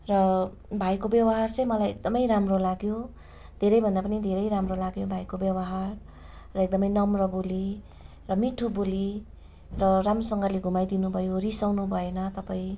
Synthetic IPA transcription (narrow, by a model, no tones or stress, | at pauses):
rʌ | bʱajkobjʌwʌɦart͡sʌjmʌlajḛk̚d̪ʌmʌjɾamrolaɡjo | d̪ʱeɾʌjbʱʌnd̪apʌnid̪ʱeɾʌjɾamrolaɡjobʱajkobjʌwʌɦarː | ʌek̚d̪ʌmʌjnʌmrʌboli | rʌmiʈʰuboli | rʌramrosʌŋɡʌleɡʱumajd̪inubʱʌjorisawnubʱʌenʌt̪ʌpaĩ